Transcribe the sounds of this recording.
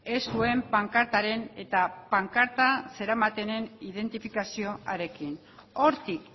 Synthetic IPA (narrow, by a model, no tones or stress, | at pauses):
e̞sue̞mpaŋkaɾt̪aɾe̞ne̞t̪apaŋkaɾt̪ase̞ɾamat̪e̞ne̞niðe̞nt̪ifikasio̞ʔaɾe̞kin | o̞ɾt̪ik